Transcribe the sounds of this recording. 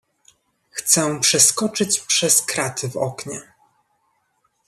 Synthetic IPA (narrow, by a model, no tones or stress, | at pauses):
xt̪sɛpʂɛskɔt͡ʂɘt͡ɕpʂɛskɾat̪ʰɘvɔ̰kɲɛ